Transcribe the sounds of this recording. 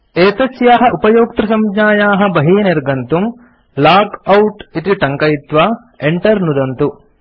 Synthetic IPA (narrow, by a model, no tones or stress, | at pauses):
eːt̪ɐt͡ʃjaːɦɐʔupɐjoːk̚t̪ɾɐsɐmd͡ʒaːjaːɦɐ̆bɐɦiːneɾɡɐnt̪um | laːkɐwʈit̪iʈɐŋkɐjit̪ʋa | eɳʈɐɾnud̪ɐnt̪u